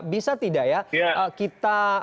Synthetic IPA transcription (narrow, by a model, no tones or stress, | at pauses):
bisat̪idaʔjaʔəkit̪a